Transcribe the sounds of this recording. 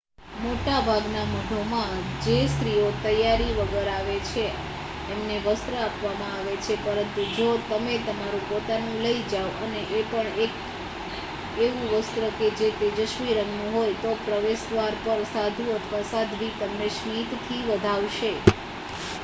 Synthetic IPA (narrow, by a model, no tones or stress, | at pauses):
moʈabʱaɡnaməɖʱomãd͡ʒest̪ɾiot̪əjaɾiʋəɡəɾaʋet͡ʃʰe | emneʋəst̪ɾəapʰʋamãaʋet͡ʃʰepəɾənt̪ud͡ʒot̪əmet̪əmaɾũpot̪anũləid͡ʒaʋəneʔːpəɳek | eʋũʋəst̪ɾəked͡ʒet̪ed͡ʒəʃʋiɾəŋɡnũɦojt̪opɾəʋeʃd̪ʋaɾpəɾsad̪ʱũət̪ʰʋasad̪ʱʋit̪əmneʃmit̪t̪ʰiʋəd̪ʱaʋʃe